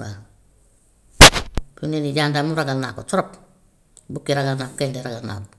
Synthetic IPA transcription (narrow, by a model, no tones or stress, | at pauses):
wa | kuneniɟandamuɾaɡanːakot͡ʃɔɾɔp̚ | bukːiɾaɡanːakkendeɾaɡana̰k